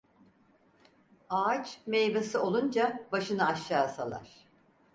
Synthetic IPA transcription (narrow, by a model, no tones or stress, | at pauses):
aːt͡ʃmejbasɯo̞lˠund͡ʒabaʃɯnaːʃːaːsalˠa̰ɾ̥